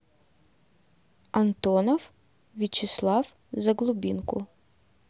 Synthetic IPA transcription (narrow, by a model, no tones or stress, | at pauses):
ɐnt̪ɔnɔw | ʋʲit͡ʃɪslˠɑw | zɐɡlˠʊbʲinkʊ